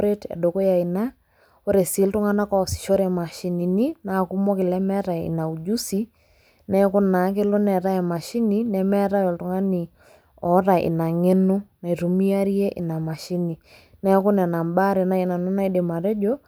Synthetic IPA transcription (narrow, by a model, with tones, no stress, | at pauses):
ɾe˦tɛ̰˨do˨ko˦ja˨i˨na˦ | o˦ɾe˨si˨˦ltu˦ŋa˦na˦kɔ˦˨si̥˨ʃo˦ɾɛ˨ma˨ʃi˨ni˨ni˦na˨ku˦mɔ˦kɪ˨lɛ˦mɛ˦ɾa˨ḭ˨na˨u˨d͡ʒu˦si˦ | nɛ˦kʊ˦na˨˦k̬ɪ˦lo˦nɛ˨ɾa˦ɛ˨ma˨ʃi˦ni˦nɛ˦mɛ˦ɾa˦jɔ˨ltu˨ŋa˦ni˨ | ɔ˨˦ɾa˨ʔɪ̰˨na˨ŋe˦nu˦na˨i˨ɾu˨mi˦a˦ɾi˦e˦ʔɪ̰˨na˨ma˨ʃi˦ni˨ | nɛ˦kʊ˦nɛ˨na˨mba˦ɾɛ˨na˦i˨na˨nu˦na˦i˦de˨ma˨ɾɛ˦d͡ʒo˦